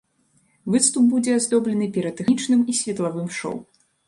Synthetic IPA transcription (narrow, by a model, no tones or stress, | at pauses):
vɨt̪st̪up̚bud͡zʲɛazd̪ɔblʲɛnɨpʲɛɾɐd̪ɛxit͡ʂnɨmisʲvʲɛt̪lˠavɨmʂɔ̰w